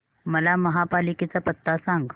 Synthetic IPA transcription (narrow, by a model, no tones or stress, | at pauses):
mɐlamɐɦapaːliket͡sapɐt̪ːasãːŋɡ